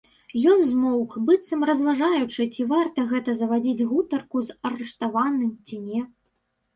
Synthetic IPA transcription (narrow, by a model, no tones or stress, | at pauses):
jɔnzmɔwkbɨt̪sɐmrɐzvaʐajut͡ʂɨt͡sʲivart̪ɐɣɛt̪ɐzɐvad͡zʲid͡zʲɣut̪ɐrkuzɐɾɨʂt̪avanɨmt͡sʲinʲɛ